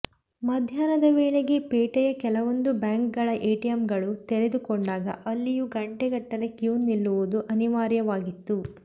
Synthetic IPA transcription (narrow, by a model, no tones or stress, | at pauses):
mɐd̪ʱjaːnɐd̪ɐʋeːɭeɡepeːʈɛjɐkɛlɐʋo̞nd̪ubjaːŋkɡɐɭɐʔeːʈijɐmɡɐɭut̪eɾe̞d̪ukɔɳɖaːɡɐ̰ʔɐlːijuɡɐɳʈeɡɐʈːɐlekjuːnːilːuʋud̪uʔɐniʋaːɾjɐʋaːɡit̪ːu